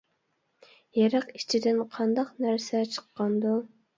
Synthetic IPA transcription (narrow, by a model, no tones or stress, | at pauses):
jɛɾæqit͡ʃʰid̪ɪnqʰɑnd̪ɑqnæɾsɛt͡ʃʰə̥qːɑnd̪u